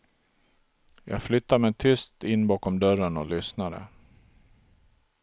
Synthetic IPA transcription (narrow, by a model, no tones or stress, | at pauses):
jɑ̰ːɡflʏt̪ːamɛjt̪ʰʏst̪ɪnːbɑːkɔmd̪œɾənɔlʏsnad̪ə̰